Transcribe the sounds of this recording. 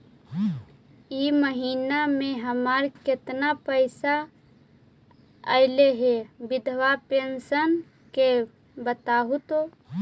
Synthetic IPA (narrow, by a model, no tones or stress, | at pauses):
jiməɦiːnamẽɦəmaɾkɪt̪napəɪsa | ə̰ɪleɦebɪd̪ʱʋapensən | ke | bət̪aɦut̪o